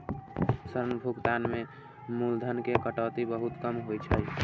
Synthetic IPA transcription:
səɾnəbʱuɡt̪anmẽ | muld̪ʱənkekəʈɔːt̪ibəɦut̪kəmɦot͡ʃʰə

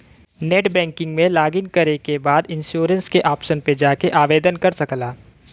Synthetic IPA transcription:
neːʈbɛ̃ːŋkɪ̃ŋɡmẽlaːɡɪnkɐɾekebaːd̪ɪ̃nʃoːɾə̃nskeʔaːpʃənped͡ʒaːkeʔaːʋeːd̪ənkɐɾsɐklaː

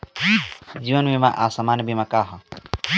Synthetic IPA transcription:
d͡ʒiːʋənbimãʔasamaːnbʱimãkaːɦa

